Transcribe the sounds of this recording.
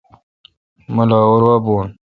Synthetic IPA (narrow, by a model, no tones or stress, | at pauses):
məlaːoɾwaboːn